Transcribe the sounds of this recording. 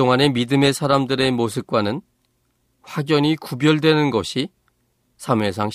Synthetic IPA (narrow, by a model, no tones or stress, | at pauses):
oŋane̞midɯme̞sʰaɾamdɯɾe̞mosʰɯp̚k͈wanɯn | ɸwaɡjʌɲikubjʌɭdwe̞nɯnɡʌɕʰi | sʰame̞s̬ʰaŋɕ